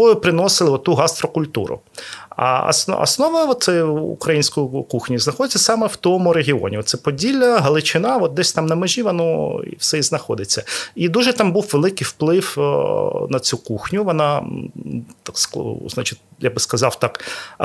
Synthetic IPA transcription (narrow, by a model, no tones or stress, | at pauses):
ɔjʊpɾɪnɔsɪlˠɪɔt̪ːuɦɑst̪ɾɔkʊlʲt̪ṵɾʊ̰ | ɐ̰ɐ̰snɐ̰snɔʋɐʋɔt̪sɛṵkɾɐjinʲsʲkʊjʊkuxnʲiznɐxɔd̪ɪt͡sʲːɐsɑmɛw̥t̪ɔmʊɾeɦʲiɔ̰nʲiɔt̪sɛpɔdʲilʲːɐɦɐlˠɪt͡ʃɪnɑʋɔt̪̚d̪ɛsʲt̪ɑmnɐmeʒʲiʋɔnɔḭwsɛiznɐxɔd̪ɪt͡sʲːɐid̪uʒɛt̪ɑmbuwʋelˠɪkɪjwplˠɪw | nɐt͡sʲukuxnʲʊʋɔnɑ | t̪skznɑt͡ʃɪtʲjaɡ̚bɪskɐzɑwt̪ɑk